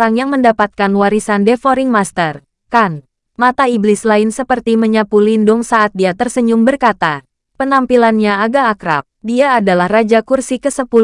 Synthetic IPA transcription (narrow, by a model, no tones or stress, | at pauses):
ɾaŋjaŋməndapat̪̚kanwaɾisandefoɾiŋmast̪ər | kan | mat̪aiblɪslaɪnsəpərt̪iməɲapulindʊŋsaːt̪̚diat̪ərsəɲʊmbərkat̪a | pənampilanɲaaɡaːkɾa̰p̚diaːdalahrad͡ʒakursikəsəpul